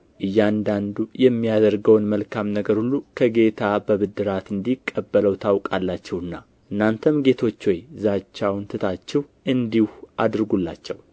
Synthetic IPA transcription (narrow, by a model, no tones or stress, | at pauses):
ʔɨjːand̪and̪ujɛmːijad̪əɾɡəwnməlkʰamnəɡəɾhulːukʰəɡe̞t̪ʰabəβɨd̪ːɨɾat̪ɨnd̪ikʼːəbːələwt̪ʰawkʼalːat͡ʃːɛwɨnːa | ʔɨnːant̪ʰəmɡe̞t̪ʰo̞t͡ʃːwojzat͡ʃːawnt̪ʰɨt̪ʰat͡ʃːɛw | ʔɨnd̪ihuʔad̪ɾɡulːat͡ʃːɛw